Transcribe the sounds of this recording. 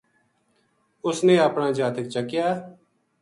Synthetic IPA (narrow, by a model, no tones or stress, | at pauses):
ʊsneːəpnãːd͡ʒaːt̪əkt͡ʃəkjaː